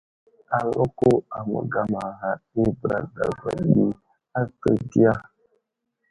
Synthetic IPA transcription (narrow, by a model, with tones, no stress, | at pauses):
a˨lʊ˦ko˦a˨mə̰˨ɡa˨ma˨ɦa˨i˦bɾa̰˨da̰˨ba̰˨ɗi˦ | a˦tə˦ɡi˦a˦